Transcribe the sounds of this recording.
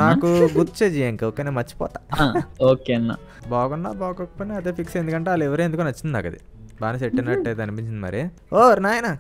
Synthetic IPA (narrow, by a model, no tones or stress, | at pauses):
naːkuɡut̪t͡ʃeːd͡ʒijeŋkːoːkeːneːmɐt͡ʃːi̥pɔ̰ːt̪aːoːkeɐnːa̰ | baːɡuɳɖa̰ːbaːkokːɐ̥pojneɐd̪eːpʰiksɐjnd̪ukɐɳʈeːɐlːɛʋɐɾeend̪ukoːnɐt͡ʃːind̪ina̰ːkɐ̰d̪ḭ | baːnɐseʈːinːɐʈːɐjt̪̬eɐnipiɲt͡ʃind̪imɐ̰ɾi | oɾnaːjɐna